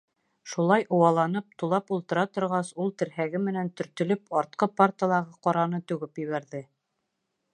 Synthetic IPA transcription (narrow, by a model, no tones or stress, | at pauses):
ʃulˠɑjʔŏwɑlˠɑnɤp̚t̪ulˠɑpulˠt̪ɤ̆ɾɑt̪ŏɾʁɑsulˠt̪ɘ̆ɾɦæɡɘmɘ̆nænt̪ɵ̆ɾt̪ɵ̆lɵpɑɾt̪̚qɤpart̪əlˠɑʁɤqɒɾɑnɤt̪ʉɡɘpjɘ̆βæɾðɘ